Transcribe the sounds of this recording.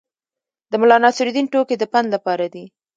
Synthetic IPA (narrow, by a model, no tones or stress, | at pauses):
d̪əmʊlɑnɑsɪɾid̪inʈoked̪əpanlapɑɾad̪i